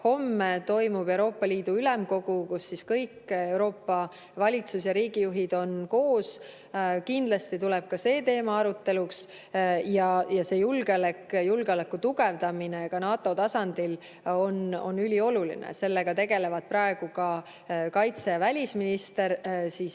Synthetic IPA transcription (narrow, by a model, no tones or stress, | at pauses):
ho̞mːet̪o̞jmub̥e̞uɾo̞ːpːˑɑliːd̪̥uylɛmko̞ɡ̥ukusːiskɤjke̞wɾo̞ːpːɑ | vɑlʲit̪sus̬jɑɾiːɡ̥ijuɦid̪o̞nko̞ːs | kind̪̥lɑst̪it̪ulɛb̥̚kɑse̞ːt̪e̞ːmɑɑɾut̪ːe̞luks | jɑjɑse̞ːjulɡlekjulɡeo̞lekːˑut̪uɡe̞vd̪ɑminekɑnɑːt̪ːˑo̞t̪ɑsɑnd̪̥il | o̞no̞̰nːylʲio̞lulḭnḛse̞lːeɡ̥ɑt̪e̞ɡe̞le̞vɑd̪̥̚prɑe̞ɡ̥ukɑ | kɑjt̪sejɑvælʲisminist̪e̞ɾsiːs